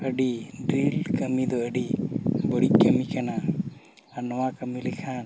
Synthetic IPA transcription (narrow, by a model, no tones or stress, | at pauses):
əɖiɖɾilkəmid̪ɔəɖibɔɽiʔkəmikana | anɔwakəmilɛkʰan